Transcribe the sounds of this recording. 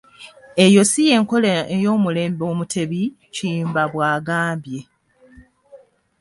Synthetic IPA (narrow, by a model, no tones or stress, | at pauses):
e̞jo̞sije̞ːŋko̞leejo̞ːmule̞ːmbo̞ːmutʰe̞βi | cimbaβwaːɡaːmbje̞